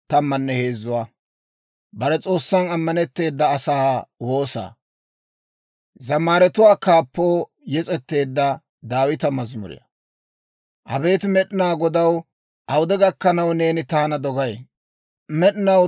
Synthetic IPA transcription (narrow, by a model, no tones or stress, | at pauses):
t̪ɐmːɐnːɛhe̞ːzːʊwaː | bɐɾɛt͡sʼo̞ːsːɐnɐmːɐnɛt̪ːe̞ːd̪ːɐːsaːwo̞ːsa̰ː | zɐmaːɾɛt̪ʊwaːkaːpːoː | jɛt͡sʼɛt̪ːe̞ːd̪ːɐ | d̪aːwɪt̪ɐmɐzmʊ̰ɾɪ̰jɐ̰ | ʔɐ̰be̞ːt̪mɛɗɪnaːɡɔd̪ɐw | ʔɐwʊd̪ɛɡɐkːɐnɐwne̞ːnɪt̪aːnɐd̪ɔɡɐj | mɛɗɪnɐ